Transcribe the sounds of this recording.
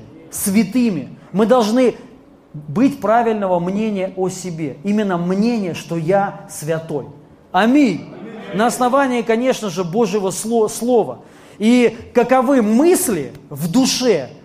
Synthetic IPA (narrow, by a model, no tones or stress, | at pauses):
svʲɪt̪ɨmʲɪmɨd̪ɐlˠʐnɨ | bɨtʲpɾavʲɪlʲnəvəmnʲenʲɪjəʔosʲɪbʲeimʲɪnːəmnʲenʲɪjəʂt̪o̞jasvʲɐt̪o̞̰j | ɐmʲinʲnəɐsnɐvanʲɪːkɐnʲe̞ʂnəʐɨbo̞ʐjɪvəsˠoslˠo̞və̰ | ikəkɐvɨmɨsʲlʲɪ̰vd̪ʊʂɛ